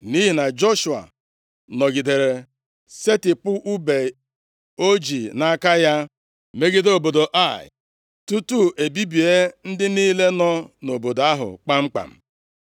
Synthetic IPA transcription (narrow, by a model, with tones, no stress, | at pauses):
ni˦ɦi˨na˨d͡ʒo˦ʃu˨a̰˨ | nɔ˨ɡi˨de˨ɾe˨ | se˦tɪ˨pʊ˦ʔu˦be˨ | o˦d͡ʒi˨na˦ka˦ja˦ | me˦ɡɪ˦do˨bo˨do˨ʔa˦˨ɪ̰˨ | tu˦tu˦ʔe˨bi˦bi˨e˦n̩˦dɪ˦niː˦le˦nɔ˦no˨bo˨da˦ɦʊ̰˨k͡pa˦ŋ͡m̩˦k͡pa̰˨m̩˨